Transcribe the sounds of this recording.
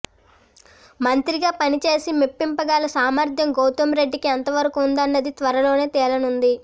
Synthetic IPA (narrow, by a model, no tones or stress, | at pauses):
mɐnt̪ɾiɡaːpɐnit͡ʃe̞ːsimipːimpɐɡaːlɐsaːmɐɾd̪ʱjɐmɡowt̪ɐmɾe̞ɖːikiɛnt̪ɐʋɐɾɐkuːnd̪ɐnːɐd̪it̪ʋɐɾɐlo̞ːne̞ːt̪ɛːlɐnund̪i